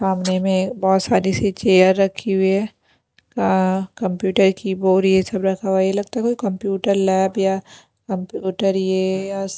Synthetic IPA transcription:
saːmnemẽbɔːt̪saːɾiset͡ʃeːəɾːɐkʰːiɦuɛ | kakɐ̃mpjuːʈəɾkiboːɾiesɐbɾɐkʰawaielɐɡt̪aːɦɛkoikɐ̃mpjuːʈəɾlɛːbja | kɐ̃mpjuːʈəɾjejas

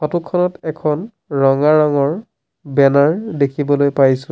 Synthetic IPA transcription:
xɔtukʰːɔnɔtɛkʰɔn | ɹɔŋaɹɔŋɔɹ | bɛnaɹdekʰibɔlojpajsʊ

